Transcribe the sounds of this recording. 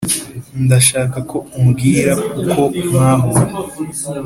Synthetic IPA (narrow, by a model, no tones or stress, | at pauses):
ndaʃaːkakʰo̞umɡiːɾakukʰo̞maːɦo